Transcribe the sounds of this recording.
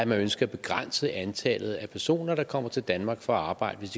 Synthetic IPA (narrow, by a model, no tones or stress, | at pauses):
æmænønsɡ̥ɐæb̥e̝ɡ̥ʁan̰səʔænt͡sʰɛ̰ːlð̞̩ˠæpʰæɐso̝̰ːnɐd̥ɑ̈kʰɒ̽m̰ɐt͡sʰe̝ld̥ænmɑ̈ːɡ̥fɒɑ̈ːb̥ɑ̈ɪ̰d̥əʋe̝sd̥i